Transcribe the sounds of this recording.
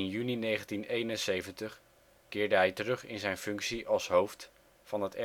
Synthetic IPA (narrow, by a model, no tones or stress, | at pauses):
njyninejχəntinejnənsejvəntəχ | kɪːɹdəɦɛjtərɵχɪ̰nzɛjnfɵŋksiʔɑlˠsɦowft | fɑnɦətɛ